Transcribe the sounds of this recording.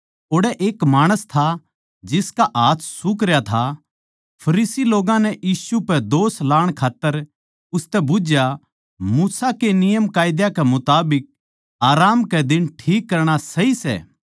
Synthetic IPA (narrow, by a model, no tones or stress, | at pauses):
oːɽɛʔeːkmaːɽ̃əst̪ʰa | d͡ʒɪskaʔaːssʊkɾjat̪ʰa | pʰɐɾiːsiloːɡãnɛʔjiːsupɛd̪oːslaːɽ̃kʰaːt̪ːəɾ | ʊst̪ɛbʊd͡ʒja | muːsakenɪjəmkaːjd̪jakɛmʊt̪aːbɪk̚ | aːɾaːmkɛd̪ɪnʈʰiːkːɐɾɽ̃asɐisɛ̰ː